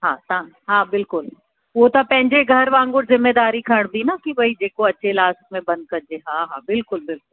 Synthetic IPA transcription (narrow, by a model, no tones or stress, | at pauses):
ɦãːt̪ãːɦãːbɪlkʊl | ʋot̪apɛ̃ːɲd͡ʒeɡʱɐɾʋãːŋɡʊɾzɪmːed̪aːɾikʰɐɽ̃b̪inakibʱɐid͡ʒeːkoɐtːʃʰelaːst̚mẽbɐ̃nd̪̚kɐɾd͡ʒeɦãːɦãːbɪlkʊlbɪlkʊl